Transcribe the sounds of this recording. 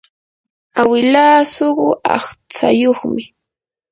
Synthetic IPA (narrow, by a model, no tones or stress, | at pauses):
awɪlaːsoɢʊʔɑ̰χt͡sa̰joχmɪ